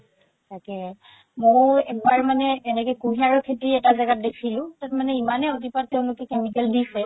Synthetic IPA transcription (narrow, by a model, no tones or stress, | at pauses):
takɛ | mojɛk̚baɹmanɛːnɛkɔjkuɦiaɹɔkʰetɹiɛtazaɡat̚dekʰilʊ̃tatmanɛimanɛot̬ipat̚teʊ̃nlʊkɛkemikɛldisɛ